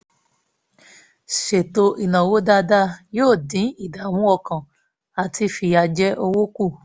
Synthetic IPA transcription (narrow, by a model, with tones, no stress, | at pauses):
ʃe˨to˧ʔi˨nã˨wo˦da˧da˦joː˦˨dĩ˨˦i˦˨da˨˦wũ˦ɔ˧kã˨ | a˨tʰi˧˦fi˧a˧d͡ʒɛ˦ʔo˧wo˦ku˦˨